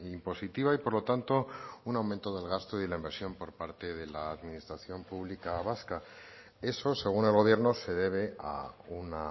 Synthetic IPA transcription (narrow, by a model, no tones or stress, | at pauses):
impo̞sit̪iβ̞aipo̞ɾlo̞t̪ant̪o̞unawment̪o̞ðe̞lɣ̞ast̪o̞ilaimbe̞ɾsjo̞mpo̞ɾpaɾt̪e̞ðe̞laːðminist̪ɾaθjo̞mpuβlikaβaska | e̞so̞se̞ɣ̞une̞lɣo̞β̞je̞ɾno̞se̞ðe̞β̞ea̰una